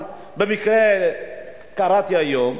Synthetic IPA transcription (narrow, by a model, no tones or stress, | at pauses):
bemikɾe | kaɾat̪iajom